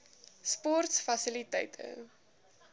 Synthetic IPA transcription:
spɔrtsfɐsilitɛ̰jtʰə̰

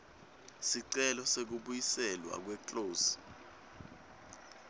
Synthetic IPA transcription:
siǀɛlɔsek̬uɓujisɛlwa̰k̬wɛǃʼoːsi̥

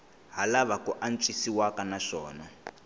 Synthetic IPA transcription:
ɦalaβakuʔant͡ʃʼisiwakanaʂɔːna

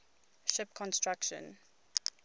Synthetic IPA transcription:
ʃɪpkʰɔ̃nstɹakʃə̰̃n

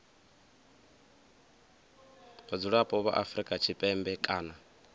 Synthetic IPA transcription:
βad͡zuɺapʼɔβa̰ʔafɾikʼat͡ʃʰipʼɛmbɛkʼaːna

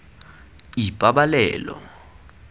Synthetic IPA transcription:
ipʼaɓalɛːlɔ̰

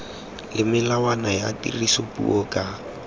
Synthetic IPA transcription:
lɪmɪlawanajatḭrisopʼṵʔokʼa

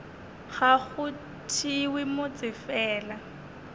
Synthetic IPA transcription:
ɣaɣʊ | tʰiwɪmʊt͡sʼɪfɛːla

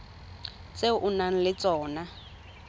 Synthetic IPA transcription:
t͡seʊʔʊnan̩lɪt͡sʼɔːna

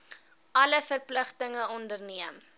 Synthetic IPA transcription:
ʔɐləfərpləχtəŋəɔndərniəm

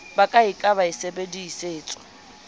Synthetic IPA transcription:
bakʼaɪkʼaβaɪsebediːseːt͡sʼɔ̥

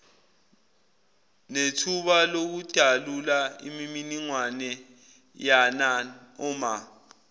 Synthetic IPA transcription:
netʰuɓalok̬ud̥ʱalulaḭmiminiŋwanɛ | jana | ɔːma

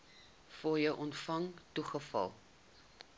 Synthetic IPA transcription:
fɔjəwʔɔntfɐŋtuχəfɐ̰lˠ

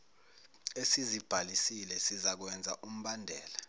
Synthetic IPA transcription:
esizib̥ʱalisilɛsizak̬wɛnd͡zʱaʔum̩ɓandʱɛːla

